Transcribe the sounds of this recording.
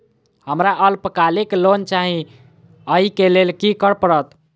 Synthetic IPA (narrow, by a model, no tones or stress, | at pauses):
həmɾaʔəlpəkaleklont͡ʃaɦĩ | əɦikelelkikəɾpəɾət̪